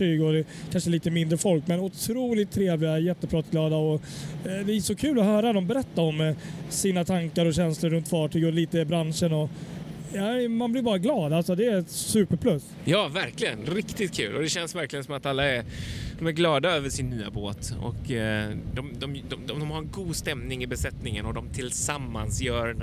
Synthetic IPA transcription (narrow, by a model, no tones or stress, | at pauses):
ʈyːɡɔd̪ɛ | kʰanʂəliːt̪əmɪnd̪ɾəfɔlkmɛnʊt̪ʰɾuːlɪt̪ʰːɾeːvlɪɡajɛt̪ːəpʰɾɑt̪ɡlɑːd̪aɔ | d̪ɛæsɔkʰʉ̟ːlɔɦœːɾad̪ɔmbɛɾɛt̪ːaɔmsiːnat̪ʰaŋkaɾɔɕɛnslʊɾɵnt̪fɑːʈʰyːɡɔliːt̪əbɾanʂənɔnaɪmanblɪɾbɑːɾaɡlɑːd̪alsɔd̪ɛɾɛt̪sʉ̟ːpəɾpʰlɵs | jɑːvæɾklɪɡənɾɪkt̪ɪt̪̚kʰʉ̟ːlʔɔ̰d̪ɛɕɛnsvæɾklɪɡənsɔmat̪alːaæɾd̪̥ɔmæɾɡlɑːd̪aøːvəʂɪnːyːa̰bo̰ːt̪ɔ̰kd̪ɔmd̪ɔmd̪ɔd̪ɔmd̪ɔmhaɾɛnɡuːd̪st̪ɛmnɪŋɪbɛsɛt̪nɪŋənɔd̪ɔmt̪ʰɪlsamːa̰nsjœːɾ